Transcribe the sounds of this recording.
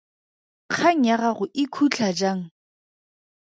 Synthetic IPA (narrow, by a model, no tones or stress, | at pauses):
q͡χʰaŋ̩aɣaɣʊʔɪkʰut͡ɬʰad͡ʒaːŋ̩